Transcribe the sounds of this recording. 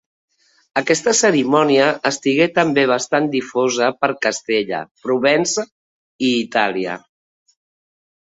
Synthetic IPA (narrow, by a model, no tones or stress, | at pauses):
əkɛst̪əsəɾimɔniəʔəst̪iɣet̪əmbeβ̞əst̪and̪ifozəpəɾkəst̪eʎə̰pɾuβɛnzə | iːt̪aliə̰